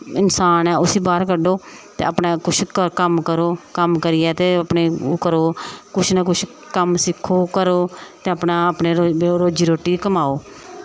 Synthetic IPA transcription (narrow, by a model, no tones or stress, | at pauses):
ɪnsaːnɛːʊsiːbaːɾkəɖoːt̪ḛːəpnaːkʊt͡ʃʰkəkəmkəɾoːkəmkəɾɪjɛːt̪eːəpneːkəɾoːkʊt͡ʃʰnəkʊt͡ʃʰ | kəmsɪkʰːoːkəɾoːt̪eːəpnaːəpneːɾoɾoːd͡ʒiːɾoːʈːiːkəmaːoː